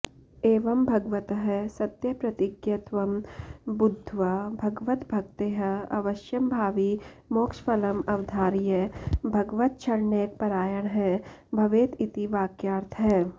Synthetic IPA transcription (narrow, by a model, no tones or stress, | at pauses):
eːʋɐmbʱɐɡʋɐt̪ɦɛsɐt̪jɐpɾɐt̪ɪɡjɐt̪ʋɐmbʊd̪ʱːʋabʱɐɡʋət̪bʱɐkt̪eːɦɐ̰ʋɐʃjɐmbʱaːʋimoːkʃpɐlɐmɐʋd̪ʱaːɾjɐbʱɐɡʋət̪̚t͡ʃʰɐɾneːk̚pɐɾaːjɐɽ̃ɦɛːbʱɐʋeːt̪it̪iʋaːkjaːɾt̪ʰɦɛː